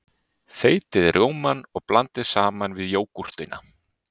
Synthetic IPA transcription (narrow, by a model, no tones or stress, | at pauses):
θeːjt̪ɪðɾʔoːwmanɔɣplant̪ɪðsaːmanvɪðjoːwkur̥t̪ɪnʔa̰